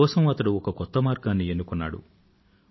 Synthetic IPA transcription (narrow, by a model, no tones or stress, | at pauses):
ɔːsɐmɐt̪ɐɽuɔkɐkɔt̪ːɐmaːɾɡaːnːienːukɔnːa̰ːɽṵ